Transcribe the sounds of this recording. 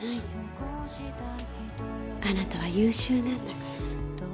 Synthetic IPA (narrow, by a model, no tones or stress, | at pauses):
hai | ko | it̪ | anat̪aβ̞ajɯːɕɨːnãnd̪akaɾa